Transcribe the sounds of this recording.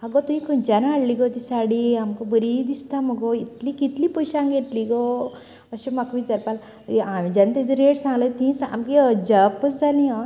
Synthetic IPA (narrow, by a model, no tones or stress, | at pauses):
aɡot̪uɦĩkənd͡ʑanaɽliɡot̪isaɽiamkobəɾid̪ist̪aməɡoit̪likit̪lipəjɕãŋɡet̪liɡo | əɕumakʋĩd͡zəɾpal | amid͡ʑant̪ed͡zəɾeʈsãŋɡlət̪ĩsa̰mkid͡ʒapːət͡sd͡zalĩɔ̃